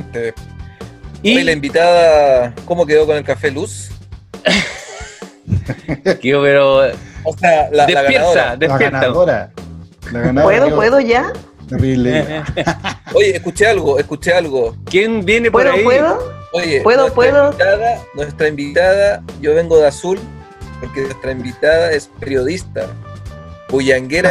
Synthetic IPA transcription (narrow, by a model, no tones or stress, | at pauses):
si | iojelaimbit̪aðakomok̬eðokone̞lkafelus | keopeɾoosealad̪elaɣanpaðoɾad̪epjeɾt̪aoɾa | laɣanaweðopweðoʝa | il | oʝeːskut͡ʃealɣoeskut͡ʃealɣokjenbjenepweðɾoiweðooʝepweðoepweðot̪aðanwe̞st̪ɾaimbit̪aðaʝo̞βe̞ŋɡo̞ðeasul | poɾkenwest̪ɾaimbit̪aðae̞speɾjo̞ðist̪a̰ | buʝaŋɡeɾa